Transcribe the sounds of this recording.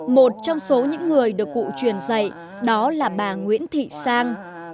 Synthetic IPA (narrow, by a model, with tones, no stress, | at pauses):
mo˨˩t̚t͡ɕɔ˧wŋ͡mso˨˦ɲɨ̰˧˥ŋːɨ˨˩əjɗɨ˨˩əkːṵ˧˨t͡ɕwi˨˩ənzə̰˧˨j | ɗɔ˨˦laː˨˩ɓaː˨˩ŋwḭ˧˥ənt̪ʰḭ˧˨saː˧ŋ